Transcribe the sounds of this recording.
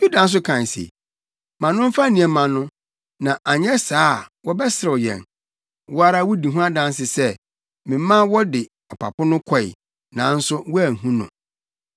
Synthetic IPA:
ju˦dã˨˦n̩˦s̬ʊ˦kʰã˨n˨sḛ˨ | mã˨nʊ̃˦m̩˦fa˦nĩ˨ɛ˨mã˨nʊ̃˦ | nã˨ʔa˨ɲɛ˦saː˦wɔ˦bɛ˦sɪ˨ɾɪ˨ɔ˨jɛ̰̃˨n | wɔ˦a˦ɾa˦wɔ˦di˨ɦũ˦a˦dã˦ns̬ɪ˨sɛ˦ | mɪ̃˨˦mã˦wɔ˦dɪ˨ | ɔ˨pʰa̰˨pʰʊ˦nʊ̃˦kʷʰɔ˦ḭ˨ | nã˨˦n̩˦sʊ˦wɔ˦æ˨ɦũ˦nʊ̰̃˨

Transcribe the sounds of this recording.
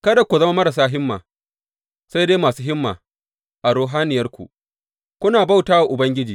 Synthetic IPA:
kɐ˦da˨kʷu˨zɐ˦ma˦mɐ˦ɾɐ˨s̬aː˦ɦɪ˦mːa̰ː˨ | sa˦jdeː˦maː˨suː˦ɦɪ˦mːa̰ː˨ | ʔa˨ɽoː˦ɦaː˦nɪ˨jɐ˦rkʷṵ˨ | kʷʊ˦naː˨ba˦˨wtaː˦wa˨ʔʊ˨bɐ˦ŋɡʲɪ˦d͡ʒiː˨

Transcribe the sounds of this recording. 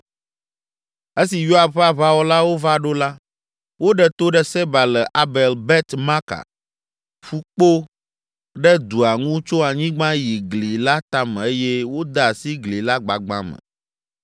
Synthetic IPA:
e˦si˨jo˦a˨bɸa˨βa˦wɔ˦la˦wo˦va˦ɖo˦la˦ | wo˦ɖɛ˨t̪o˦ɖɛ˦sɛ˦ba˨lɛ˨ʔa˨bɛ˨lbɛ˦t̪ma˦ka̰˨ | ɸu˦k͡po˦ | ɖɛ˦d̪u˨a˨ŋũ˦t͡ʃo˦a˨ɲĩ˦ɡ͡bã˦ji˨ɡli˨la˦t̪a˦mɛ˨e˦jɛ˦wo˦d̪a˦˨a˨si˦ɡli˨la˦ɡ͡ba˨ɡ͡bã̰˦mɛ̰˨

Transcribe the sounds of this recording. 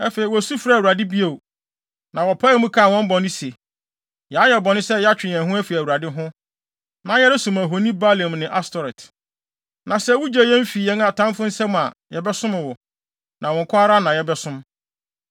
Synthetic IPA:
ɛ˦fe˨i˨wɔ˨su˦fɾa˦˨wu˨ɾa˨dɪ˦bi˦o˨ | nã˨wɔ˨pʰa˦ɛ˨˦mũ˦kʰa˦a˨wɔ̃˦m˦bɔ̃˨nɪ̃˦se˨ | ja˨˦jɛ˨bɔ˨nɪ̃˦sɛ˦ja˦t͡ɕᶣɪ˨ɛ̃˨ɦʊ̃˦æ˦fi˨æ˨wu˨ɾa˨dɪ˦ɦʊ̃˦ | nã˨jɛ˦ɾɪ˦sũ˨mæ˨ɦo˨nĩ˦ba˦le˨mnɪ̃˨ʔa˦stʰɔ˨ɾɛ˨t | nã˨sɛ˦wu˦d͡ʑe˨jɛ̃˦m̩˦fi˨jɛ̃˦na˨tʰã˦m˦fʊ̃˦n̩˦sɛ˦ma˨jɛ˨bɛ˦sʊ̃˦mɪ̃˨wɔ˨ | nʔã˨wɔ̃˨ŋ˨kʰʊ˦a˦ɾa˦nã˨jɛ˦bɛ˦sʊ̃˦m

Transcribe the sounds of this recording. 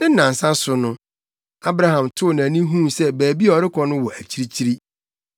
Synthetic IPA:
ɪ˦nːã˨n̩˨sã˦sʊ˨nʊ̃˦ | a˦bɾa˦hã˨mtʰʊ˦˨nã˨nĩ˦ɦũ˦sɛ˦bæː˨bi˦˨ɔ˨ɾɪ˦kʰɔ˦nʊ̃˦wɔ˨ʔæ˨t͡ɕʰi˦ɾi˦t͡ɕʰi˦ɾi˦

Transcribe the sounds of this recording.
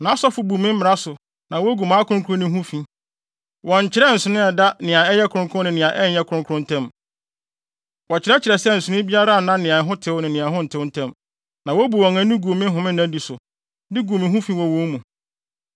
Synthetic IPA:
nã˨a˦sɔ˦fʊ˨bu˨mɪ̃˦m̩˦mɪ˨ɾa˦sʊ˨ | nã˨wɔ˦ɡu˨mã˨˦kʰʊ˦ʊ̃˦kʰu˦ɾʊ̃˦nɪ̃˨˦ɦũ˦fĩ˨˦ | wɔ̃˨ɲ̩˨t͡ɕʰɪ˨˦ɾɛ˦n̩˨sʊ˨nɪ̃˦ɛ˨da˦nɪ̃˨ã˨ɛ˦jɛ˦kʰʊ˨ɾʊ̃˦ŋkʰʊ̃˦nɪ̃˨nɪ̃˨ã˨ʔɛ˦˨˦jɛ˦kʰʊ˨˦ʊ̃˦ŋkʰʊ˦ʊ̃˦n̩˨tʰɛ̃˦m | wɔ˨t͡ɕʰɪ˨ɾɛ˦t͡ɕʰɪ˨ɾɛ˨sɛ˦n̩˨sʊ˨˦ɪ̃˦bi˦a˦ɾa˦˨nã˦nɪ̃˨ã˨ɦʊ̃˦tʰɪ˦wnɪ̃˨nɪ̃˨ã˨ɦʊ̃˦n̩˨tʰɪ˦wn̩˦tʰɛ̃˦m | nã˨wɔ˦bu˨ɔ˨ŋã˦nʊ̃˦ɡu˨o˨mɪ̃˦ɦʊ̃˨mɪ̃˦næ̃˦di˨sʊ˨ | dɪ˦ɡu˨o˨mɪ̃˨ɦũ˦fĩ˦wɔ˨wõ˦mũ˨

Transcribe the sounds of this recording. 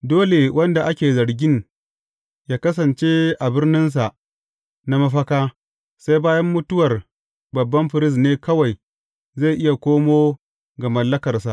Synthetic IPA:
doː˦le˨wʔɐ˦nda˨ʔa˦kʲeː˨zɐ˨ɾɡʲɪ˦n | jaː˦kɐ˦s̬ɐ˨nt͡ʃeː˦ʔa˨bɪ˦rnɪ˦ns̬a˨ʔ | na˦mɐ˦ɸɐ˦kaː˦ | sa˦jbaː˦jɐ˦mːʊ˦tʊ˦wɐ˨r | bɐ˨bːɐ˦mɸɪ˨ɾɪ˦s̬neː˦kɐ˦wa˨j | za˦˨jʔɪ˦ja˨kʷoː˦moː˦ | ɡa˨mɐ˨lːɐ˦kɐ˨rsa˨ʔ

